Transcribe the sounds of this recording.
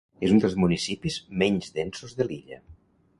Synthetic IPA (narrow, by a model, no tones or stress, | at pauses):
ezund̪əlˠzmunisipizmɛɲzðensozðəliʎə̰